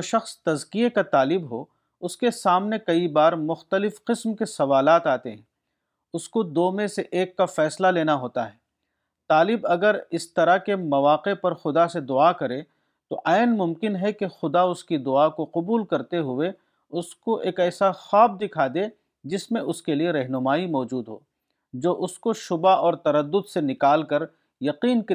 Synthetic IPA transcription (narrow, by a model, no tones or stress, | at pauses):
oʃɐxst̪ɐzkiekat̪aːlɪbɦo | ʊskesaːmnekɐibaːɾmʊxt̪əlɪfqɪsmkesɐʋaːlaːt̪aːt̪eɦɛ̃ː | ʊskod̪oːmẽseʔeːkːafɛːslaleːnaɦoːt̪aɦɛː | t̪aːlɪbɐɡəɾɪst̪ɐɾakemɐʋaːqepɐɾxʊd̪ased̪ʊakɐɾẽ | t̪o̰ʔaːɪnmʊmkɪnɦɛkexʊd̪aʊskid̪ʊakoqʊbuːlkɐɾt̪eɦʊe | ʊskoʔeːkɛːsaxɔːb̚d̪ɪkʰaːd̪eː | d͡ʒɪsmẽʔʊskelieɾɐɦnʊmaːimɔːd͡ʒuːd̪ɦo̰ː | d͡ʒoːʔʊskoʃʊbaɔːɾt̪ɐɾəd̪ːʊd̪senɪkaːlkɐɾ | jɐqiːnk